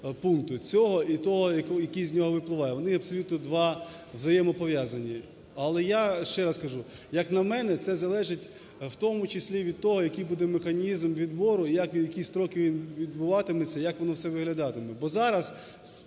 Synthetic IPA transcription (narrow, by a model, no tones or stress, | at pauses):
punkt̪ʊt͡sʲɔɦɔʔit̪ɔɦɔjɐkɔjɐkʲijzʲnʲɔɦɔʋɪplˠɪʋɑjɛʋɔnɪɐpsɔlʲut̪nɔd̪ʋɑʋzɐjɛmɔpɔʋʲjazɐnʲi | ɐlˠɛjaʃt͡ʃɛɾɐskɐʒu | jɐknɐmɛnɛt̪sɛzɐlˠɛʒɪtʲ | wt̪ɔmʊt͡ʃɪsʲlʲiʋʲid̪̚t̪ɔɦɔjɐkijbud̪ɛmexɐnʲizmʋʲid̪bɔɾʊijakjɐkʲist̪ɾɔkɪimʋʲid̪bʊʋɑt̪ɪmɛt͡sʲːɐjɐkʋɔnɔwsɛʋɪɦlʲɐd̪ɑt̪ɪmɛbɔzɑɾɐs